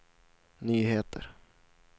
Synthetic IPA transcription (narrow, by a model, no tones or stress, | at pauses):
nyːɦeːt̪ʰə̰ɾ